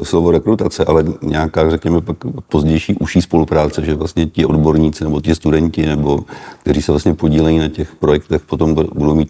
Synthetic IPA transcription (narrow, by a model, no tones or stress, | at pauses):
slo̞vo̞ɾɛkɾut̪at͡sɛʔalɛɲɛakaːrɛkɲɛmɛpakpo̞zɟɛjʃiːʔuʃiːspo̞lupɾaːt͡sɛʒɛvlast̪ɲɛcɪʔo̞dbo̞ɾɲiːt͡sɪnɛbo̞t̪ɪst̪udɛɲcɪnɛbo̞kt̪ɛɾiːsɛvlast̪ɲɛpo̞ɟiːlɛjinacɛxpɾo̞jɛkt̪ɛxpo̞t̪o̞mbbudo̞wmiːt̪̚